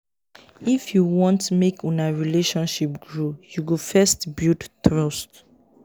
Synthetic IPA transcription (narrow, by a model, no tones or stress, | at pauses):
ifjuwɔ̃ntmekʰɔ̃naɹileʃɔ̃nʃip̚ɡɹojuwifɛstbildtɹɔst